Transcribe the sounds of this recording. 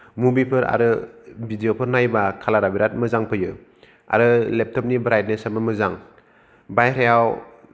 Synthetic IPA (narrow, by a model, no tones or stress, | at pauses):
mubipʰɯɾa̰ɾɯbidijopʰɯɾnajbakʰalaɾabiɾat̚mɯzaŋpʰɯjɯ | a̰ɾɯlep̚tʰɔp̚nibɾajt̚nesabɯmɯzaŋ | bajɾajaw